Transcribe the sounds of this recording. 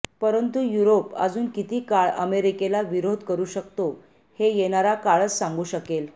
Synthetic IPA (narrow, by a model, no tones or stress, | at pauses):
pəɾənt̪ujuɾopə̰d͡zuːnkit̪iːkaɭə̰meɾikelaʋiɾod̪ʱkəɾuːɕəkt̪o | hejeɳaɾakaɭət͡ssaŋɡuːɕəkel